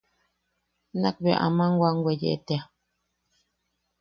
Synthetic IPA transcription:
na̰k̚bɛʔa̰maŋ̩ɡwaŋ̩ɡwɛd͡ʒɛ̰tɛa

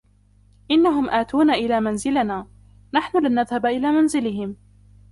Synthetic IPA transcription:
ʔɪnːaɦʊmʔaːt̪uːnaʔɪlaːmanzɪlanaː | naħnʊlɪnːaðhabaʔɪlaːmanzɪlɪɦɪm

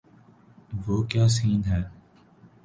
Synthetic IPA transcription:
ʋoːkjaːs̬iːnɦɛː

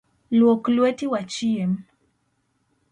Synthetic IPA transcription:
lwɔklwɛtiwat͡ʃiɛm

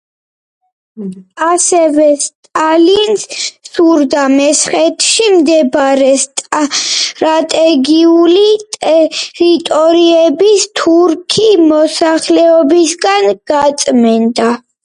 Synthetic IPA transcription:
asɛvɛst̪ʼalinssuɾd̪amɛsχɛt̪ʰʃimd̪ɛbɾɛst̪ʼ | ɾat̪ʼɛɡiulit̪ʼɛɾit̪ʼɔɾiɛbist̪ʰuɾkʰimɔsaχlɛɔbisɡanɡ̥at̪sʼmɛnd̪a

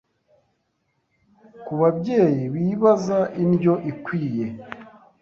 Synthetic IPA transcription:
kuβabɟe̞ːjiβiːβazaʔinɟo̞ʔikwiːje̞

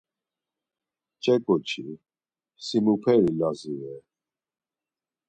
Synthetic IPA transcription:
t͡ʃʼɛkʼɔt͡ʃʰi | simupʰɛɾilaziwɛ

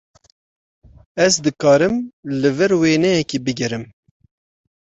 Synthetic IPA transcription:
ɛzd̪ɨkɑːɾɨmlɨvɛɾweːnɛjɛkiːbɨɡɛɾɨm

